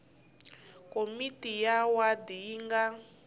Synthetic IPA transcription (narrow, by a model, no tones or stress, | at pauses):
komitijawadiːŋɡa